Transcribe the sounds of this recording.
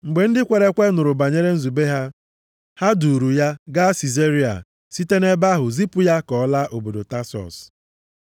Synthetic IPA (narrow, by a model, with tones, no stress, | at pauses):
ŋ͡m̩˨ɡ͡be˨n̩˦dɪ˦kʷe˨ɾe˦kʷe˦nʊ˨ɾʊ˨ba˨ɲe˦ɾe˦n̩˦zu˨be˦ɦa˦ | ha˦du˨ɾu˨ja˦ɡa˦si˨ze˦ɾi˦a̰˨ | si˦te˦ne˦ba˦ɦʊ˨zi˦pʊ˦ja˦kɔ˨˦la˦ʔo˨bo˨do˨ta˦sɔ̰˨s